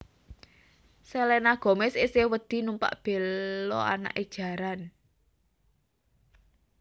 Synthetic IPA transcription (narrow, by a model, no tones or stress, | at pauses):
sɛlɛnaɡ̥ɔ̤mesesewəd̪̥i̤numpa̰ʔb̥e̤lɔ̰a̰na̰ʔed̥ʒ̥ä̤ɾan